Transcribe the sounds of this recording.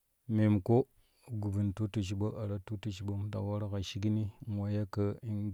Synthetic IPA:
me˨mko˦ | ɡu˨bi˨ntu˦tu˨ʃ̬i˨ɓa˦ʔa˨ɾa˦tu˦tu˨ʃi˨ɓa˦m˦ta̰˨wa˦ɾa˦ka˨ʃi˦ɡi˦ni˦ŋ˨wa˨ja˦kə˦i˦n

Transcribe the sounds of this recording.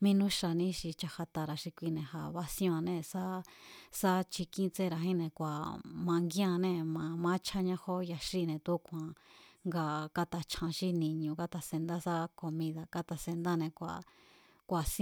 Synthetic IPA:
mĩ˦˧˦nũ˦ʃa˧nĩ˦ʃi˧t͡ʃa˧ha˧t̪a˧ɾa˨ʃi˧kʷi˧nẽ˨ha˧βa˧sj̃a˧nẽ˧sa˦sa˦t͡ʃi˧kĩ˦t͡se˦˧ɾa˧ɦĩ˦nẽ˧kʷa˨mã˧ŋɡjã˧nẽ˧mã˧mã˦t͡ʃʰa˦ɲã˧˦ho˦ja˧ʃi˦˧˨nẽ˧t̪u˦kʷã˨ŋɡa˧ka˧t̪a˧t͡ʃʰã˧ʃi˧nĩ˧ɲũ˧ka˧t̪a˧se˧nd̪a˦sa˦ko˧mĩ˧ða˧ka˧t̪a˧se˧nd̪a˦nẽ˧kʷa̰˨ | kʷa˨s

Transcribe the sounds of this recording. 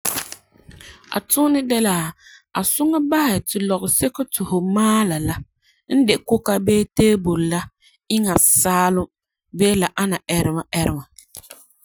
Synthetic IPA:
a̰˨tʊ˦nɪ˦dɛ˦laː˨a˨sʊ˦ŋa˦ba˦hɪ˨tɪ˨lɔ˨ɣɪ˨sɛ˦ko˦tʊ˨hʊ˨maː˦la˨la˦ | n̩˦dɪ˨kʊ˦ka˦beː˦teː˦bo˨lla˦ | ɪ˦ŋa˨saː˦lʊ˦ | beː˦la˨ʔa˦na˨ɛ˦ɾɪ˦ma˨ʔɛ˦ɾɪ˦ma˨

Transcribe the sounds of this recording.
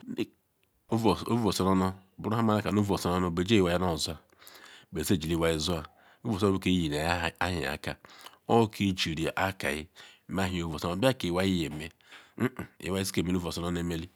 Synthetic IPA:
vo˨sɔ˦nɔ˦nɔ˦˨bu˨ɾu˦a˦ma˦a˦ka˨nu˦˨o˨sɔ˦nɔ˦nɔ˦be˨d͡ʒe˦i˨wa˦i˦nɔ˦˨zu˦a˨ | be˨ze˦˨d͡ʒi˨li˦wa˦i˦zu˦a˨ | u˦vsɔ˦o˦o˦ke˦i˦ji˨n˨˦˨a˦ɦḭ˨a̰˨ka̰˦ɔ˦kʰi˦d͡ʒi˨ɾi˨a˨ʔa˦ka̰˨ɪ̰˦m˦a˦ɦi˨o˦vsɔ˦ba˦ke˨wa˦i˦je˨me˦ | m̩˦˨ḭ˨wa˦i˦si̥˦ke˨me˦nu˦vo˨so˦n˦e˦me˦li˦

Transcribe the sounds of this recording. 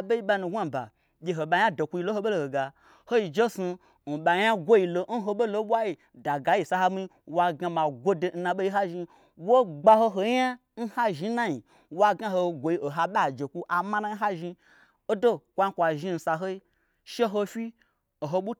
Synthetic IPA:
ɓe˦i˦ɓa˧nu˧ɡʷa˦˨ba̰˨ | ɓʲe˨ɦo˨ɓa˧ja˦do˨ku˧ji˧lo˦ho˧ɓo˦lo˦˨ho˨ɡa˨ | ho˦i˧d͡ʒe˦su˧ | n̩˨ɓa˨ɲa˦ɡʷo˦i˧˨lo˨n̩˦ɦo˧ɓo˦lo˧˦ɓʷa˦ji˨ | da˨ɡa˨˦ji˨sa˧ha˦mi˦wa˧ɡa˧ma˨ɡʷo˦de˨n̩˦nã˧ɓo˦i˦a˦ʒi˧ | wo˦ɡ͡ba˧ɦo˧ɦo˧ja˦ | n̩˦ha˦ʒi˦na˦ɲi˨ | wa˦ɡa˦ho˧˨ɡʷo˨ji˧˦o˨ɦa˧ɓa˦˨d͡ʒe˨kʷu˦ʔa˨ma˦na˦n̩˦ɦa˦ʒi˧ | o˦do˦kʷa˨˦i˦kʷa˨ʒi˦n̩˨sa˨ɦo˦i˦ | ʃe˦ɦo˧fi˦ | o˨ɦo˧ɓu˦

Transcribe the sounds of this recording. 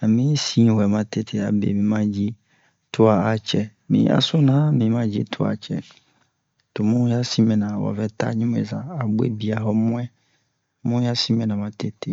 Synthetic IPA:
nã˨mɪ̃˦si˦˨hɛ˨mã˦tʰe˦tʰɪ˨a˨bḛ˨mĩ˨˦mã˦d͡ʑi˦ | tʰʊ˦a˨a˨t͡ɕʰɛ˨mḭ̃˨˦a̰˨sʊ˦nã˨˦mĩ˨˦mã˦d͡ʑi˦tʰʊ˦a̰˨t͡ɕʰɛ̰˨ | tʊ˨mʊ̃˦ja˦si˦mɛ̃˨nã˨wɔ̰˨vɛ˦tʰa̰˦ɲĩ˦m̰̃˦˨za˨a˨bʊ˦ḛ˦bi˨a˨ɦɔ˦mʊ̃˦ɛ̃˦ | mʊ̃˦ja˦si˦mɛ̃˨nã˨mã˦tʰe˦tʰɪ˨

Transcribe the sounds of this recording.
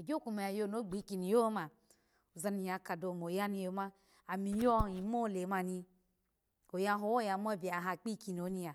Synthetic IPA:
o˨d͡ʒo˦ku˧˨me˨a˨jo˧˨no˨˦ɡ͡bi˨˦ki˧ni˨jo˦ma˨ | u˨za˧ni˨˧ja˨ka˨do˨m˨o˨ja˦ni˧˦o˨˦ma˦ | a˨mi˨jɔ˦i˨˦mo˦˨le˨ma˧ni˧ | o˨ja˧˦ɦo˨˦wo˦ja˨m˦ɔ˦bi˨a˨ɦa˧˨k͡pi˦ki˧˨n˨o˨˦ni˧ja˨

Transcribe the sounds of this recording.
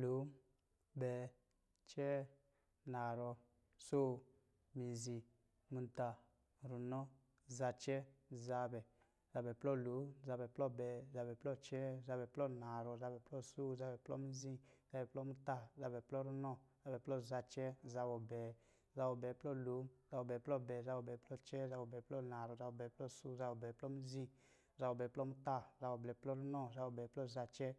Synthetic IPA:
lo˨˦m | bɛ˨ | t͡ʃɛ˦ | na˨ɾɔ˧ | so˦ | mi˨zĩ˧ | mũ˧n˨ta˨ | ɾu˨nɔ˦ | za˧t͡ʃɛ˦za˧bɛ˨ | za˧bɛ˨plɔ˦lo˨˦za˧bɛ˨plɔ˦bɛ˨za˧bɛ˨plɔ˦t͡ʃɛ˦za˧bɛ˨plɔ˦na˨ɾɔ˧˨za˧bɛ˨plɔ˦so˦˨za˧bɛ˨plɔ̰˦mi˦zĩ˦za˧bɛ˨plɔ˦mu˦ta˦za˧bɛ˨plɔ˦ɾu˦nɔ˦˨za˧bɛ˨plɔ˦˨za˧t͡ʃɛ˦za˧bɔ˨bɛ˨ | za˧bɔ˨bɛ˨˦plɔ˦˨lu˨˦za˧bɔ˨bɛ˨plɔ˦bɛ˨za˧˦bɔ˨bɛ˨plɔ˦t͡ʃɛ˦za˧bɔ˨bɛ˨plɔ˦˨na˨ɾɔ˨za˧ɔ˨bɛ˨˦plɔ˦su˦˨za˧bɔ˨bɛ˨plɔ˦m˦zĩ˧ | za˧bɔ˨bɛ˨plɔ˦mu˦ta˦˨za˧bɔ˨blɛ˨˦plɔ˦ɾu˦nɔ˦˨za˧bɔ˨bɛ˨plɔ˦˨za˧t͡ʃɛ˦

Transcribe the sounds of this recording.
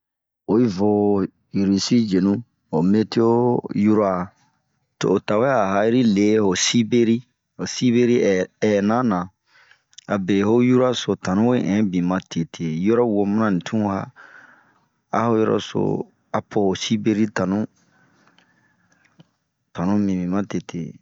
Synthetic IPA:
o˨i˦vo˨ | ji˨ɾi˨si˦d͡ʒe˨nũ˦ | ho˨me˦te˦o˦ju˦ɾa˦˨ | to̰ː˨ta˨wɛ˦a˨ɦa˦ɾi˦le˨˦ho˨si˦be˦ɾi˦ | ho˨si˦be˦ɾi˦ɛ˨nã˦nã˨ | a˨be˨ho˦ju˦ɾa˦so˨tã˨nũ˦we˦ʔɛ̃˨˦bĩ˨mã˨tʰe˨tʰe˨jɔ˦ɾɔ˦wo˨mũ˦nã˦nĩ˨tʰũ˦ha̰˦ | a̰˦ho˦jɔ̰˦ɾɔ̰˦so̰˨ | a˨pʰo˨ho˨si˦be˦ɾi˦tã˨nũ˦ | tã˨nũ˦mĩ˨mĩ˨mã˦te˨tʰḛ˨

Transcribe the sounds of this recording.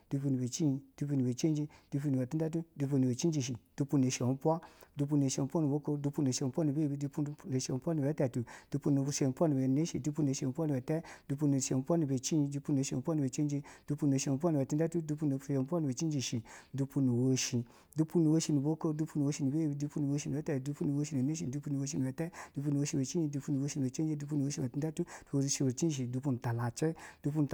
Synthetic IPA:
d̥u˧p̬u˧ni˨be˨t͡ʃi˦i˧du˨˧p̬u˧ni˨be˨t͡ʃe˦d͡ʒi˧d̥u˧pu˧ni˨ɛ˨ti˦a˦t̬u˦du˧p̬u˧ni˨be˨t͡ʃi˦n˦d͡ʒi˨ʃ̬i˨du˧pu˧n˨e˨ʃi˨o˨˦pʷa˦du˧p̬u˧n˨e˨ʃi˧o˨˦pʷa˦nu˨bo˦ko˧du˧pu˧n˨e˨ʃi˧o˨m˦pʷa˦nu˨be˦˨bi˨du˧pu˦˧˦ne˨ʃi˧o˨m˦pʷa˦ni˨bɛ˨˦tɛ˨tu˨d̥u˧pu˧n˨o˨˧˨ʃe˨m˦pʷa˦ni˨be˨ne˦ʃi˨du˧pu˧n˨e˨ʃo˨˦pwa˦ni˨bɛ˨tɛ˦d̥u˧pu˧n˨e˨ʃo˨m˦pʷwa˦nu˧˨be˨t͡ʃi˦ĩ˧du˧pu˧n˨e˨ʃo˨˦pʷa˦nu˨be˨t͡ʃe˦d͡ʒi˧du˧pu˧n˨o˨˧ʃe˧˨m˨pɔ˦ni˧˨ɛ˨tu˧˦ɛ˦tu˦du˧pu˧˦no˧˨˧e˧˨m˧pɔ˦ni˧˨be˨t͡ʃi˦d͡ʒi˨ʃi˨du˧pu˧nu˨wo˧ʃĩ˧ | du˧pu˧nu˨wo˧ʃi˧ni˨bo˦ko˦du˧pu˧nu˨o˧ʃi˧ni˨be˦˨i˧du˧pu˧nu˨wo˧ʃi˧ni˨ɛ˦tɛ˧˨du˧pu˦nu˨wo˧ʃ̬i˧˨e˨ne˦ʃi˧˨du˧pu˧nu˨wo˧ʃ̬i˧ni˨ɛ˨˦tɛ˦du˧pu˧nu˨˧o˧ʃi˧˨e˨t͡ʃi˦i˧du˧pu˧nu˨wo˧ʃi˧ni˨e˨t͡ʃe˦d͡ʒe˧˦du˧pu˧˦nu˧wo˧ʃi˧ɛ˨ti˧˦dɛ˦tu˦du˧o˧˨ʃi˧wo˨t͡ʃĩ˦˨ʃ̬i˨du˧p̬u˧nu˨ta˨la˨t͡ʃi˦du˧p̬u˧nu˨

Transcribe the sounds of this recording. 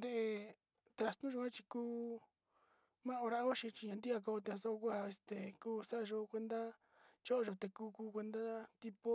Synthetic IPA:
nd̪e˧ʔe˧ | t̪ɾa˧st̪ũ˦ʒo˧kʷã˦t͡ʃi˧kuː˦ | mã˦o˧ɾa˧ʔo˦ʃĩ˧t͡ʃi˧ɲã˧nd̪i˦a˧k̬o˧t̪e˧ã˧so˦o˧kʷa˧e˧st̪e˨kuː˦sa˦a˧ʒo˧kʷe˧nd̪a˦ | t͡ʃo˦ʔo˧ʒo˧t̪e˧kuː˦kuː˧˦kʷe˧nd̪a˦t̪i˧po˦

